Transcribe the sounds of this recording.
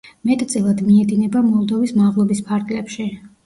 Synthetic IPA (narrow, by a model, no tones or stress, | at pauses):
mɛt̪ʼt̪sʼɛlˠad̪miɛd̪inɛbamɔlˠd̪ɔvismaʁlˠɔbispʰaɾɡlɛpʃi